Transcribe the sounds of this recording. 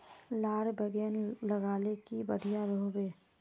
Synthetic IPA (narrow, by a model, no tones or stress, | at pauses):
laːɽbəɡɛːnlɐɡaːlekibəɽ̤ijaɾoːbeː